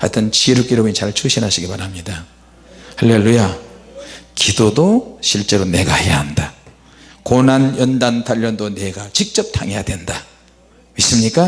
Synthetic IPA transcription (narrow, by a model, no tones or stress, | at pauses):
ha̰tʰɯnt͡ɕiɾuk͈iɾomit͡ɕaɭt͡ɕʰuɕʰinɦaɕʰiɡipaɾamɲida | halːelːuja | kidodoɕʰiɭt͡ɕ͈e̞ɾone̞ɡahe̞jaɦanda | konanjʌndantʰaʎːʌndone̞ɡat͡ɕik̚t͡ɕ͈ʌp̚tʰa̰ŋe̞jadwe̞nda | mis͈ɯmɲik͈a